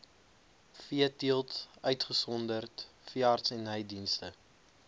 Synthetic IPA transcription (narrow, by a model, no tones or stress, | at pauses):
fiətiəlˠtœɥtχəsɔndərtfiəɑrtsɛnɦɛjdinstə